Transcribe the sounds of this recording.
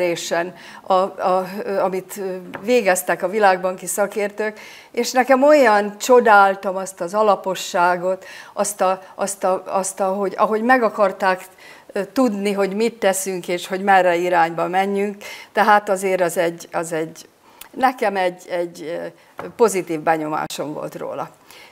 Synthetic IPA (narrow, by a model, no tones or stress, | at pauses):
ɾeːʃɛn | ɒɒɒmit̪ːveːɡɛst̪ɛkɒvilaːɡ̚bɒŋkisɒkeːrt̪øːk | eːʃnɛkɛmo̞jɒnt͡ʃo̞d̪aːlt̪ɒmɒst̪ɒzɒlɒpo̞ʃːaːɡo̞t̪ʔɒst̪ɒʔɒst̪ɒɒst̪ɒɦo̞ɟɒ̰ɦo̞ɟmɛɡɒkɒrt̪aːk | t̪ud̪niɦo̞ɟmit̪ːɛsyŋkeːʃho̞ɟmɛrːɛiɾaːɲbɒmɛɲːyŋkt̪ɛɦaːt̪ɒzeːɾɒzɛɟːɒzɛɟ | nɛkɛmɛɟːɛɟː | po̞zit̪iːvbɛɲo̞ma̰ːʃo̞ɱvo̞̰lt̪ro̰ːlɒ̰